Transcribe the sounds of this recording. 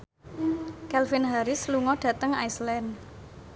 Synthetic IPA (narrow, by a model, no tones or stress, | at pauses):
kɛlfinɦaɾɪsluŋɔɖ̥ä̤t̪əŋajslɛn